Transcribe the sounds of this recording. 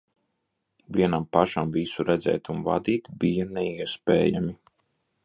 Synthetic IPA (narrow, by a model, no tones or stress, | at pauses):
viɛnampaʃamvisuɾɛd̪zɛ̰ːt̪unva̰d̪iːt̪bijanɛiɛspḛːja̰mi